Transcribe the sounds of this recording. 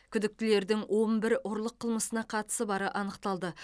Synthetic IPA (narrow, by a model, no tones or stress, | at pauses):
kʲʰʏd̪ɪk̚t̪ɪle̞ɾd̪ɪŋwʔo̞mbɪɾʊɾlˠəqʰːəlˠməsənɑqʰɑt̪ə̥səbɑɾəʔɑnəqt̪ɑlˠd̪ə